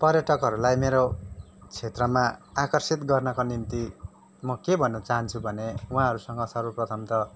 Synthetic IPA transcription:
pʌrjʌʈʌkɦʌɾulajmeɾo | t͡sʰet̪rʌmaakʌrsit̪ɡʌrnʌkonimt̪i | mʌkebʱʌnːʌt͡saɦʌnt͡sʰubʱʌneũɦãɦʌɾusʌŋɡʌsʌrbʌprʌt̪ʰʌmt̪ʌ

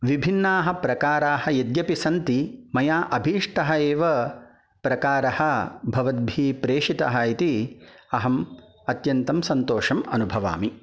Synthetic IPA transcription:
ʋibʱinːaːɦɐ̆pɾɐkaːɾaːhɐ̆jɐd̪jɐpisɐnt̪imɐjaːʔɐbʱiːʂʈɐɦɐeːʋɐ | pɾɐkaːɾɐhɐ̆bʱɐʋɐd̪̚bʱiːpɾeːʂit̪ɐ̰ɦɐit̪iɐɦɐm | ɐt̪jɐnt̪ɐmsɐnt̪oːʂɐmɐnubʱɐʋa̰ːmi

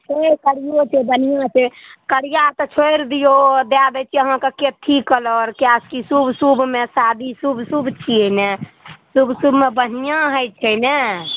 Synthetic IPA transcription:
ekəɽijot͡ʃʰebənijãt͡ʃʰekəɽijat̪ɔt͡ʃʰojɾd̪ijod̪ad̪ɛt͡ʃʰiəɦãkeket̪ʰikəlɔɾkjaskisubʱsubmesad̪ʱisubʱsubʱt͡ʃʰienesubsubʱmebənijãɦəjt͡ʃʰɛne

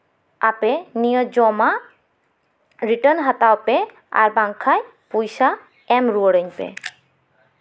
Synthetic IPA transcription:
apenijɔd͡ʑɔma | ɾiʈənɦat̪awpe | a̰ɾbaŋkʰaj | pujsa | ɛmɾuoɾəɲpḛ

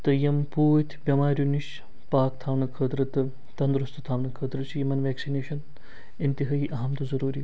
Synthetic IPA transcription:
t̪ɨjɐmpuːjt̪ʲʰbʲɐmaːɾʲjuniʃ | paːkt̪ʰaːʋnɐkʰəːt̪ɾɨt̪ɨ | t̪ɐnd̪ɾust̪ʰɨt̪ʰaːʋnɐkʰəːd̪ɾɨt͡ʃʰijimɐnʋeːksineːʃɐn | int̪iɦɐɦiʔɐɦɐmt̪uzɐɾuːɾi

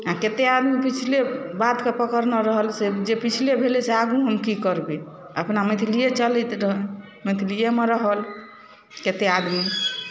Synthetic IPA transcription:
aket̪ead̪mipit͡ʃʰilebad̪kepəkəɾnəɾəɦəlsed͡ʒepit͡ʃʰilebʱeleseaɡũɦəmkikəɾbe | əpnamit̪ʰlijet͡ʃəlɛt̪ɾɦ | mit̪ʰlijemeɾəɦəl | ket̪ead̪mi

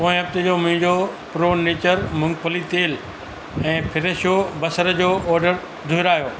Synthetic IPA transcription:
koːɪ̃ɦɐb̚t̪ɪd͡ʑoːmʊ̃ɦɪ̃ɲd͡ʑopɾoːneːt͡ɕəɾmʊ̃ŋɡpəlit̪eːl | ɛ̃ːpʰɪɾeʃjobɐsəɾəd͡ʑoːʔɔːɾɖəɾ | d̪ʱʊɪɾaːjoː

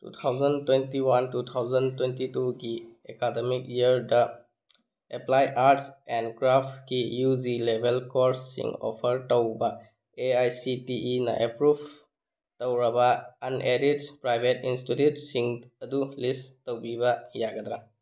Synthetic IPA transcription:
tṵt̪ʰawzəntwentiwantut̪ʰawzəntwentituɡiekademikiəɾda | eplajʔaɾʈsɛnɖkɾafʈkijuzilebʱelkɔɾsːḭ̃ŋɔ̰pʰəɾtəwba | eajsitiʔina̰ʔepɾub | təwɾabaɐneɾiʈpɾajbʱetinsʈitjutsiŋɐd̪ulistəwbibajaɡad̪ɾa

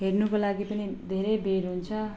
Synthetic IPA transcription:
ɦernukolaɡipʌnid̪ʱeɾejbeɾɦunt͡sʰʌ

